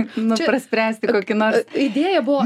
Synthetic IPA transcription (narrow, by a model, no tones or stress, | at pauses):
nʊt͡ʃʲpɾɐsʲpʲɾʲæːsʲt̪ʲɪkoːkʲɪnoːɾsɪd̪ʲeɛjɛbʊʋɔ